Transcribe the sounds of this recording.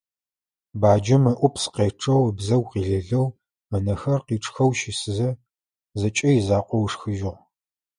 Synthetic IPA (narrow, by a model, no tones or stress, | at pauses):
baːd͡ʒɐmɨʔʷʊpʰsqeːʈ͡ʂʰʼɐwbzɐwqiːɮɐɮɐw | mɐnɐxɐrqiːʈ͡ʂʰʼxɐwʃɪsɨzɐ | zɐt͡ʃʼɐjɪzaːqʷɔwʂxɨʒɪʁ